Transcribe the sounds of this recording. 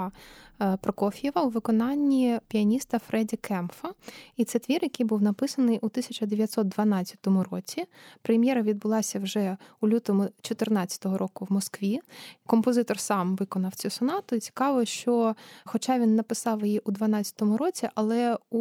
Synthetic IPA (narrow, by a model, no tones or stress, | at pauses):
pɾɔkɔfʲijɛʋɐʊʋɪkɔnɑnʲːipʲiɐnʲist̪ɐfɾɛdʲɐkʰɛmfɐit̪sɛt̪ʋʲirjɐkɨjbuwnɐpɪsɐnɪjʔut̪ɪsʲɐt͡ʃɐd̪eʋʲjɐt̪ʲsɔt̪̚d̪ʋɐnɑt͡sʲːɐ̥t̪ɔmʊɾɔt͡sʲipɾemʲjɛɾɐʋʲid̪̚bʊlˠɑsʲɐwʒɛulʲut̪ɔmʊt͡ʃɔt̪ɪrnɑt͡st͡sʲɐ̥t̪ɔɦɔɾʔɔkʊwmɔskʋʲikɔmpɔzɪt̪ɔrsɑmʋɪkɔnɐwt͡sʲusɔnɑt̪ʊit͡sʲi̥kɑʋɔʃt͡ʃɔxɔt͡ʃɑʋʲinːɐpɪsɑwjjiʔud̪ʋɐnɑt͡st͡sʲːɐ̥t̪ɔmʊɾɔt͡sʲiʔɐlˠɛu